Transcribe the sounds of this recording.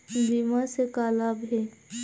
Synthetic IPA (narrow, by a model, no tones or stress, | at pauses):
dimasekaːlabɦeː